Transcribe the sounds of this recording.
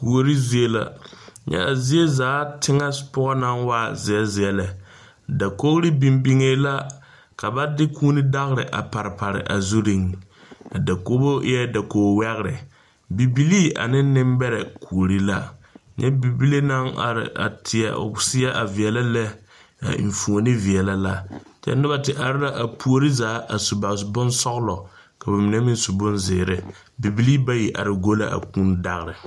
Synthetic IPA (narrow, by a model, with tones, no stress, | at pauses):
ku˨o˨ɾi˦zi˨e˦la̰˨ɲɛ̰˦a˨zi˦e˦zaː˨˦tɪ˦ŋa˦pʊ˦ɣɔ˦na˦ŋwaː˦˨zɪ˨ɛ˦zɪ˨ɛ˨lɛ˨ | da˨ko˦ɾi˦bi˨mbi˦ŋe˦la˦ | ka˨ba˦dɪ˦kʰuː˦ni˦da˦ɣɾɪ̰˨ʔa̰˨pa˨ɾɪ˨pa˨ɾɪ̰˨ʔa˨zu˦ɾi˦ŋa˨da˨ko˦bo˦ɛ˦da˨koː˨wɛ˦ɣɪ˦ɾɪ˨ | bi˨bi˦liː˦ʔa̰˨nɪ˦n˦nɪ˦mbɛ˦ɾɛ˨kʰu˨o˨ɾi˦la˦ɲɛ˦bi˨bi˦le˦na˦ŋa̰˨ɾɪ̰˨a̰˨tʰɪ˨a̰˨o̰˨sɪ˦ɛ˦ʔa˨vi˨ɛ˨la˦lɛ̰˦˨ | m̩˨fu˨o˨nɪ˦vi˨ɛ˨la˦la˦t͡ʃɛ̰˦n˦ɪ˦ba˨tɪ˨ʔa˨ɾɪ˦ɾa˦ʔa˨pʰu˦o˦ɾi˦zaː˨˦ʔa˨su˨ba˨sbʊ˦nsɔ˦ɣlɔ˨ | ka˨ba˨mɪ˨nɛ˦mi˦n˦su˨bʊ˦nzɪ˨ɾɪ˨ | bi˨bi˦liː˦ba˦ji˨ʔa̰˨ɾɪ˨ɡo˦la̰˦ʔa̰˨ku˦nda˦ɣɾɪ˨